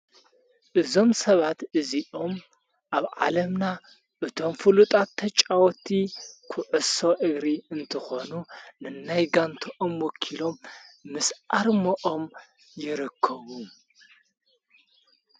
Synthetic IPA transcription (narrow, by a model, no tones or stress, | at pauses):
ʔɨzo̞msɐβat̪ɨziʔo̞m | ʔaβʕa̰lɐmna | ʔɨt̪ʰo̞mfɨlut̪ʼat̪ʰːɐt͡ʃʼawɔt̪ʰikʰʊʕɨso̞ʔɨɡɾiɨnt̪ʰɨxo̞nunɨnajɡant̪ʰoʔomwɔkʰilo̞mːɨsaɾmɐʔo̞m | jɪɾɨkʰːɐβu